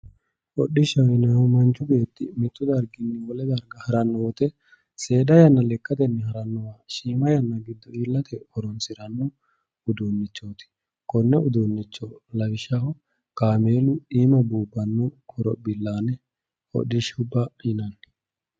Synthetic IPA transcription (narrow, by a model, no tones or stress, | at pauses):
ʔɔɗɪʃɐwɪnɐhɔmɐnt͡ʃːʊɡe̞ːt̪ːɪmɪt̪ːʊd̪ɐɾɡɪnːɪwɔlɛd̪ɐɾɡɐhɐɾɐnːɔwɔt̪ɛ | se̞ːd̪ɐjɐnːɐlɛkʼːɐt̪ɛnːɛhɐɾɐnːɔwaːʃiːmɐjɐnːɐɡɪd̪ːɔiːlːɐt̪ʰɛɔɾɔnsɪɾɐnːʊ | ʊd̪unːɪt͡ʃːoːt̪ɪ̥ | kɔnːɛʊd̪unːɪt͡ʃːɔlɐbɪʃɐhɔ | kaːmeːlʊiːmɐbuːbːɐnːuɔɾɔ̰bɪlːaːnɛ | ɔ̰ɗɪʃʊbːɐɪnɐn